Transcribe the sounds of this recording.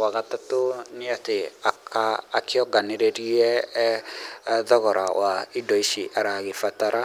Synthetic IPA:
waɣatatoniateakaːkeɔɡaneɾeɾiɛ | ðɔɣɔɾa̰waidɔiʃiʔaɾaɣefataɾa

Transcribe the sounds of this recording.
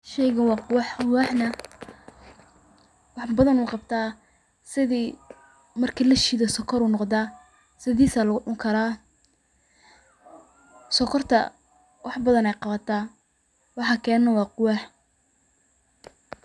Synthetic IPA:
ʃɛjɣɐwɑːqʊwɑħqʊwɑħnɐ | wɑħbɐðɐnʊqɑb̚t̪ʰaː | sɪðiː | mɐrkʰilɐʃiðɐsɔkʰɔɾuːnɔqd̪aː | sɪðiːsaːlɐɣʊɗʊŋkʰɐɾaː | sɔkʰɔrt̪ʰɐ̰ | wɑħbɐðɐnɛjqɑβɐt̪ʰa | wɑħɑkʰɛːnnɐwɑːqʊwɑħ

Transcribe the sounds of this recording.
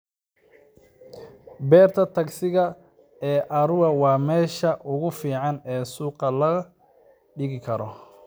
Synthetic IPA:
bɛːrt̪ʰɐt̪ʰɐɡsɪɣɐ | ɛːʔɐɾʊɐwɑːmɛːʃɐʔʊɣʊfiːʕɑnɛːsuːqɐlɐ | ɖɪɣɪkʰɐɾɔ

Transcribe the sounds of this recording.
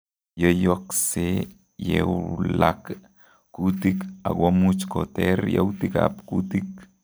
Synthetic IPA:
jəjokse | jewlakː | ut̪ikaɡwamut͡ʃkot̪eɾjəwt̪ika̰pkut̪ik̚

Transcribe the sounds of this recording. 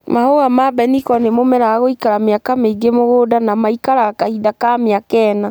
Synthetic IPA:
mahoɣamabɛnikɔnemomɛɾaɣaɣoikaɾamjakameiɡemoɣodanamaikaɾaɣakahidakameakɛna

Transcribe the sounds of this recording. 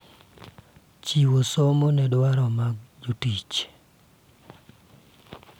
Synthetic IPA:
t͡ʃiwosomonɛdwaɾɔmaɡd͡ʒutit͡ʃ

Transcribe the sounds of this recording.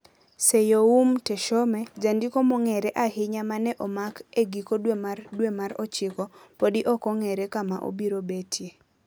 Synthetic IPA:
sejoumtɛʃɔmɛd͡ʒandɪkomɔŋɛɾɛʔahɪɲamanɛʔɔmakeɡikodwemadwemaɾɔt͡ʃɪkɔpodɪʔɔkɔŋɛɾekamaʔo̰biɾobetʰje

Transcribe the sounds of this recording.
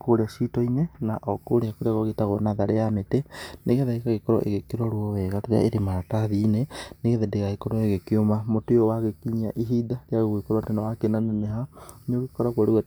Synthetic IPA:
koɾeaʃitɔinenaʔɔkoɾeakoɾeaɣoɣetaɣɔnaðaɾeameteneɣeðaekaɣekɔɾɔ̰ʔeɣekiɾɔɾwɔwɛɣateɾa̰eɾemaɾataðineneɣeðɛndeɣaɣekɔɾɔeɣekiomamotojɔwaɣekiɲia̰ʔiɦidaɾeaɣoɣekɔɾwatenawakenaneneɦaɲoɣekɔɾaɣwaɾeɣa

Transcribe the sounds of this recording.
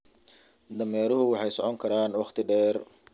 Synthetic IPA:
d̪ɐmɛːɾʊɦʊwɑħɑjsɔʕɔŋkʰɐɾaːnwɑχt̪ʰɪɖɛːr

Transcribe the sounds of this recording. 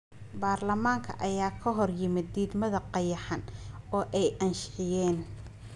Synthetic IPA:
baːrlɐmaːŋkʰɐ̰ʔɐjaːkʰɐɦɔrjɪmɪd̪ːiːd̪mɐðɐqɑjɑħɑnɔːʔɛjʔɐnʃħɪjɛːn

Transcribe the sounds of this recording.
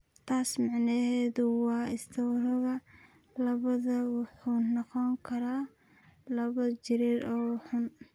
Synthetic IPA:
t̪ʰaːsmɑʕnɛɦɛːðʊwɑːɪst̪ʰɐwɾɔɣɐ | lɐβɐðɐwʊħuːnɔqɔŋkʰɐɾaː | lɐβɐd͡ʒɪɾiːɾʔɔːħʊn

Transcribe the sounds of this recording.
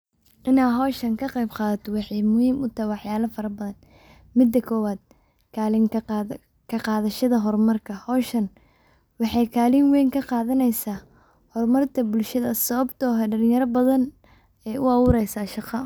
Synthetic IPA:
ʔɪnaːɦɔːʃɐŋkʰɐqɛjbqɑːðɐt̪ʰɔwɑħɑjmʊhiːmʊt̪ʰahjwɑħjaːlɐfɐɾɐbɐðɐn | mɪd̪ːɐkʰɔːwaːd̪̚ | kʰaːlɪŋ | kʰɐqɑːðɐʃɐðɐɦɔrmɐrkʰɐhɔːʃɐn | wɑħɑjkʰaːliːnwɛjŋkʰɐqɑːðɐnɛjsaː | hɔrmɐrt̪ʰɐbʊlʃɐðɐsɐβɐbt̪ʰɔːɦɛɖɐlɪ̃jɐɾɐbɐðɐn | ɛːjʊɑwʊːɾɛjsaːʃɑqɑ

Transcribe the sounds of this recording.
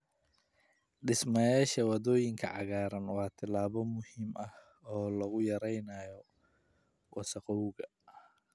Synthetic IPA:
ɖɪsmɐjaːʃɐwɑðɔːjɪŋkʰɐ̰ʕɑɣaːɾɐnwɑːt̪ʰɪlaːβɔmʊhiːmɐh | ɔːlɐɣʊjɐɾɛjnaːjɔ | wʔɑsɐqɔwɣɐ

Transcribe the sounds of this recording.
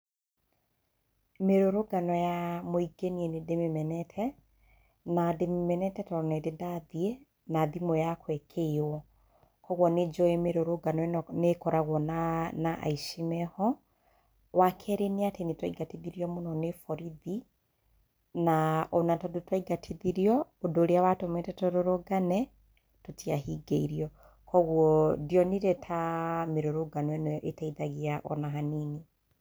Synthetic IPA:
meɾoɾoɡanɔjamoiɡenienedememɛnɛtʰɛ | nademimɛnɛtɛtɔɔnɛdedaðie | naðimojakʰwɛkʰewɔ | kɔɣwɔned͡ʒɔɛmeɾoɾoɡanɔnekɔɾaɣwɔnanaʔa̰iʃimɛhɔ | wakʰɛɾeniatenitwaiɡatiðiɾiɔmonɔnefɔɾiði | naonatɔdotwaiɡatʰiðiɾiɔodoɾeawatomɛtɛtoɾoɾoɡanɛ | totiaɦiɡeiɾiɔ | kɔɣwɔdiɔniɾɛtʰameɾoɾoɡanwɛnʔetaiðaɣiaʔɔ̰naɦanini

